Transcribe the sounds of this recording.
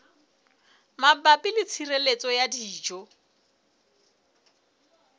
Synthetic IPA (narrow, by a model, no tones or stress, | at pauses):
mabapʼilɪt͡sʰirelet͡sʼɔjadiːd͡ʒɔ